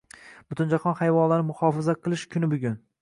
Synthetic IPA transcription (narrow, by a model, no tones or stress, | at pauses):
b̥ʊt̪ʰʊnd͡ʒaχɒnhajvɒnlaɾɪmʊhɒfazaqʰɨlˠɪʃkʲʰʊnɪbʊɡʲʊn